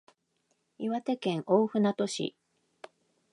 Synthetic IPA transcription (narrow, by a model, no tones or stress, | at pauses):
iβat̪e̞kẽ̞ŋʔoːɸɯ̟nat̪o̞ɕḭ